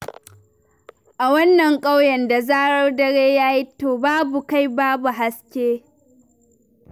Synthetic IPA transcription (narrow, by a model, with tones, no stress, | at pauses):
ʔa˨wɐ˦nːɐ˨ŋkʼa˦wjɐ˨nda˨zaː˦ɽɐ˦wdɐ˦ɽeː˦jaː˦ji˦toː˨baː˦bu˨ka˦jbaː˦bu˨ɦa˦skʲeː˦